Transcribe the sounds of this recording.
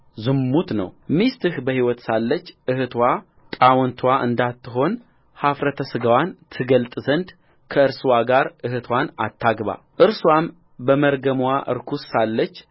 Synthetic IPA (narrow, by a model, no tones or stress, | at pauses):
zɨmːut̪nə̰wmist̪ɨhbəhiwɔt̪salːət͡ʃːʔɨhɨt̪ʰwa | t̪ʼawɔnt̪ʰwaʔɨ̰nd̪at̪ʰːɨɦo̞n | hafɾət̪ʰəsɨɡəwant̪ʰɨɡəlt̪ʼzənd̪ | kʰəɨɾswaɡaɾɨhɨt̪ʰwana̰t̪ʰːaɡβa̰ | ʔɨɾswam | bəməɾɡəmwaʔɨ̰ɾkʰussalːət͡ʃː